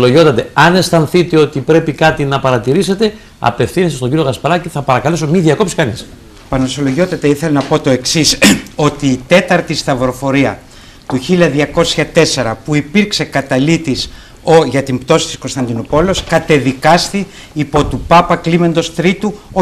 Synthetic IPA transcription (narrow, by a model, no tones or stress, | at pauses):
loʝo̞t̪ɐt̪eɐne̞st̪ɐnθit̪eo̞t̪ipɾe̞pikɐt̪inɐpɐɾɐt̪iɾise̞t̪e̞ | ɐ̰pe̞fθinisɐst̪oɲɟiɾijo̞ɣɐspɐɾɐciθɐpɐɾɐkɐleso̞miðiɐko̞psi̥kɐnis | pɐnoso̞loʝo̞t̪ɐt̪e̞iθelenɐpo̞t̪o̞e̞ksiso̞t̪iːt̪e̞t̪ɐɾt̪ist̪ɐvɾo̞fo̞ɾiɐ | t̪uçilɐðʝɐko̞sçɐt̪e̞se̞ɾɐpuipiɾkse̞kɐt̪ɐlit̪is | oʝɐt̪impt̪o̞si̥t̪isko̞nst̪ɐnd̪inopo̞leoskɐt̪e̞ðikɐst̪i | ipo̞t̪upɐpɐklime̞nd̪o̞st̪ɾit̪uo